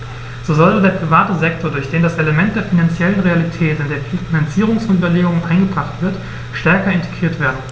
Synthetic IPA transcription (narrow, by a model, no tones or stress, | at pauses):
z̥oːzɔlədeːɐpʁ̥ivaːtəzɛk̚tʰoːɐdʊɐçd̥eːndasʔeləmɛnt̚d̥eːɐfinant͡sjɛlənʁealitʰɛːtɪndeːɐffinant͡siːʁ̞ʊŋsʊnbɐleːɡʊŋənʔaɪnɡəbʁaχtv̥ɪɐt | ʃtɛɐkɐɪntʰe̥ɡʁiːɐtv̥eːɐdn̩